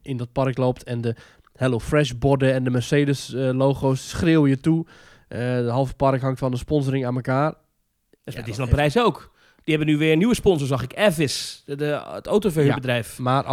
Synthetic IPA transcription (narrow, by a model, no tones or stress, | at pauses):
ɪndɔt̚pɑrkloːptʰɛndə | hɛlofrɛʃbɔdəɛndəmɛrseːdəsloːxoːsːχrɪːlˠjətu | dəɦɔlˠvəpɑrkɦaŋktfɔndəspɔnzəɾɪŋaːnməkaːr | sɛdisnɔprɛjsowk | d̥ihɛbənyʋɪənyʋəspɔnsəsɔxɪkɛfɪsəəto̰ːtofəybədrɛjfmar